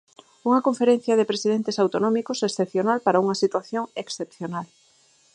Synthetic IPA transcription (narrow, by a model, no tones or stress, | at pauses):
uŋɐkõɱfeɾẽn̟θjɐðɪpɾesiðent̪esawt̪onɔ̃mikosesθepθjonalpaɾauŋɐsit̪waθjoŋeksθepθjonal